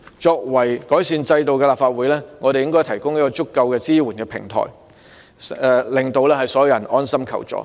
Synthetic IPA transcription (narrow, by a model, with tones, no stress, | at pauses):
t͡ʃɔː˧k̚wɐ˨˩jkɔː˨˥jsiː˧nt͡sɐ˧jt̪o˨wkɛ˧laː˨p̚faː˧t̚wu˨˥jlɛː˥ŋɔː˨˧ɾe˨jɪ˥ŋkɔː˥jt̪ʰɐ˨˩jkʊ˥ŋiː˥kɔː˧t͡sʊ˥kːɐ˧wkɛː˧t͡siː˥wuː˨˩nkɛː˧pʰɪ̰˨˩ŋt̪ʰɔ̰ː˨˩j | ɛ˨˧lɪ˨ŋt̪o˧wlɛː˥hɐ˨jsɔː˨˥jwjɐ˨˩nʔɔː˥nsɐ˥mkʰɐ̰˨˩wt͡sɔ̰ː˨˥